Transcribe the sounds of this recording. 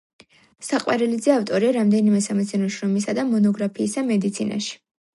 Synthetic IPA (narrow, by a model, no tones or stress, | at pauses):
saqʼwaɾɛlid̪zɛaft̪ʼɔɾiaɾamd̪ɛnimɛsamɛt̪sʰɛnɔʃɾɔmis̬ad̪amɔnɔɡɾapʰiːsamɛd̪it̪sʰina̰ʃi̥